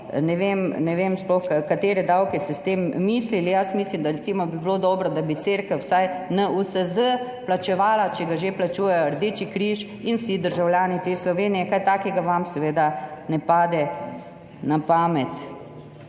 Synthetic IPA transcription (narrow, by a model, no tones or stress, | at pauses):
nɛʋeːmnɛʋeːmsplɔxkakat̪eːɾɛd̪awkɛst̪ɛst̪eːmːiːslilijasmiːslimd̪aɾɛt̪siːmɔbibiloːd̪ɔːbɾɔd̪abit̪seɾkəwsajnausəzə | plat͡ʃɛʋaːlat͡ʃɛɡaʒeplat͡ʃuːjɛjɔɾd̪eːt͡ʃikɾiʃ | insid̪əɾʒawljaːnit̪eːslɔʋeːnijɛkajt̪aːkɛɡaʋamsɛʋeːd̪anɛpaːd̪ɛ | napaːmɛt̪